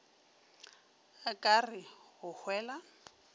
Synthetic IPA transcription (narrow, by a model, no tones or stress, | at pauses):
kʼarɪhʊhwɛːla